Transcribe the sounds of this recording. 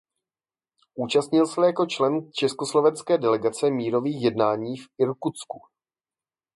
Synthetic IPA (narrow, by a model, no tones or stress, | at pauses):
ʔuːt͡ʃast̪ɲɪlsɛljako̞t͡ʃlɛnt͡ʃɛskoslo̞vɛnskɛːdɛlɛɡat͡sɛmiːɾo̞viːxjɛdnaːɲiːfɪɾkut͡sku